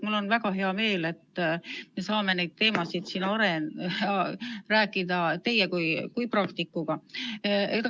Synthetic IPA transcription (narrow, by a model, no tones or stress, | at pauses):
mulːo̞nvæɡ̥ɑɦe̞ɑme̞ːle̞t̪ːme̞sɑːme̞ne̞jd̪̥̚t̪e̞ːmɑsid̪̥sinɑɾe̞n | ræːkːˑid̪̥ɑt̪e̞jːekujkujprɑkt̪ikːuɡ̥ɑ | et̪